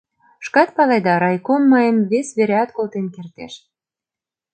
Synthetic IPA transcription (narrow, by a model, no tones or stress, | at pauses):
ʃkɑt̪̚pɑlɑjd̪ɑɾɑjkomːəjəmβesβeɾeɑt̪kolˠt̪enkert̪ḛʃ